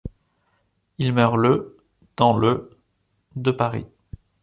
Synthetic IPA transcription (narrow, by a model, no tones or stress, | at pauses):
ilmœʁlə | d̪̥ɑ̃lə | d̪əpaʁḭ